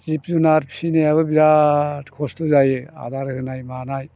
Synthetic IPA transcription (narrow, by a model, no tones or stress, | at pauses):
zip̚zunaɾpʰsinejaβɯbiɾatkʰɔstuzajɯa̰daɾɯhɯnajmanaj